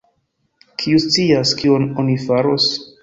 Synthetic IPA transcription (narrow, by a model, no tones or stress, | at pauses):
kʰiust͡siaskiononifaɾo̞s